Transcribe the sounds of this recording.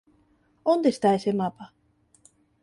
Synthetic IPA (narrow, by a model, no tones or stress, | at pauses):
ond̪eɕi̥t̪aesemapa